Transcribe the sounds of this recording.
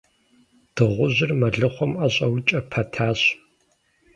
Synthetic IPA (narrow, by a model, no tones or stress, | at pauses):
d̥ɨʁʷʊʑɪrmɐɮɨχʷɔmɐɕʼɐwt͡ʃʼɐpʰɐtʰaːɕ